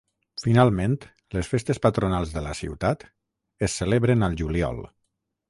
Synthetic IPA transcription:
finalˠmẽnt̪ | ləsfest̪espət̪ɾunalˠzðələsḭwt̪at̪ | əsːəleβɾenəlˠʒuliɔ̰lˠ

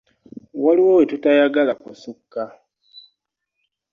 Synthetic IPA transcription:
waliwoːwetutajaɡalakusukːa

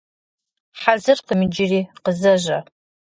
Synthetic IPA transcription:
ħazɨrqəmɨd͡ʒɪriːqəzɐʒʷɐ

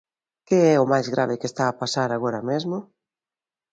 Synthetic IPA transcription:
keɛʊmajzɣɾʔa̰βɪkest̪aːpasaɾaɣ̞oɾɐmezmʊ

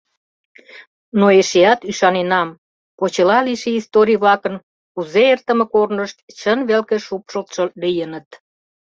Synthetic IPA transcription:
noeʃeɑt̪yʃɑnenɑm | pot͡ɕelɑliʃeist̪oɾʲijβlɑkən | kuzeert̪əmekornəʃt̪t͡ɕənβelkeʃupʃəlt̪ʃə̆lijənət̪

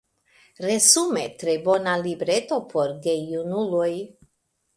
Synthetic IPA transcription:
ɾezumetɾebo̞nalibɾet̪o̞pʰo̞ɾɡejunuloj

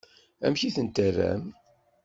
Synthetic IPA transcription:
æ̰mçiθənt̪ərːæ̰m

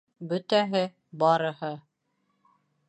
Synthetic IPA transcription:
bɵ̆t̪æɦɘ | bɑɾɤ̆hɤ

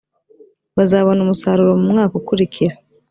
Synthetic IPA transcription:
βazaːβo̞numusaːɾuɾo̞mumŋaːkukuɾicʰiɾa

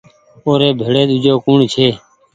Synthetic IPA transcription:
oːɾeːbʱeːɽeːɗ̪ud͡ʒoːkuːɳt͡ʃʰeː

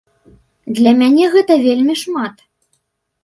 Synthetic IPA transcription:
d̪lʲɐmʲanʲɛɣɛt̪ɐvʲelʲmʲiʂmat̪

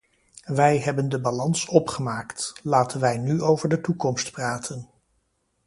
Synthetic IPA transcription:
ʋɛjɦɛbəndəbalɑnsɔpχəmaːktlaːtənʋɛjnyowvəɹdətukɔmstpraːtʰən

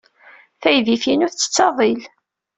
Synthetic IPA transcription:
θæjðifinʊθt͡sːə̥t͡sːɑðˤil

